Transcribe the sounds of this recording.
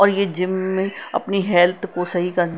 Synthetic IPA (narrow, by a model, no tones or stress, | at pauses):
ɔːɾjed͡ʒɪmːẽɐ̰pniɦɛːlt̪ʰkosɐɦikɐɾn